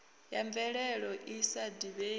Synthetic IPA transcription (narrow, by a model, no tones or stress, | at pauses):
jaɱvɛɺɛɺɔʔisadiβe